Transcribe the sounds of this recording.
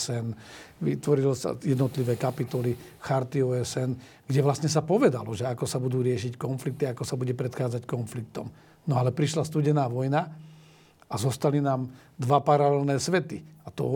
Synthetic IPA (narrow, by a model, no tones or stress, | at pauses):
sɛnʋit̪ʋɔɾilɔsa̰jɛd̪nɔt̪liʋɛːkapit̪ɔli | xaɾt̪iɔɛsɛn | ɡ̥ɟɛʋlast̪ɲɛs̬apɔʋɛd̪alɔʒɛakɔsabud̪uːɾɪɛʃickɔnflik̚t̪iaakɔsabuɟɛpɾɛt̪xaːd͡zackɔnflik̚t̪ɔm | nɔalɛpɾiʃlast̪uːɟɛnaːʋɔjna | azɔst̪alinaːm | d̪ʋapaɾalɛlnɛːsʋɛt̪iat̪ɔ̰